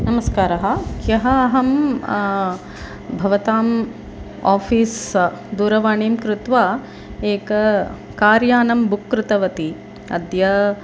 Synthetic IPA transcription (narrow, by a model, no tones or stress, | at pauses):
nɐmɐskaːɾɐɦɐkjɐɦɐɐɦɐm | bʱɐʋɐt̪aːm | aːfʰiːs | d̪uːɾɐʋaːɳeːmkɾut̪ʋaː | eːkɐ | kaːɾjaːnɐmbukːɾɪt̪ɐʋɐt̪i | ɐ̰d̪jɐ